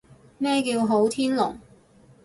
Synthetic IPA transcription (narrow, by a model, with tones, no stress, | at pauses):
mɛː˥kiː˧wɦo˨˥wt̪ʰiː˥nlʊ̰˨˩ŋ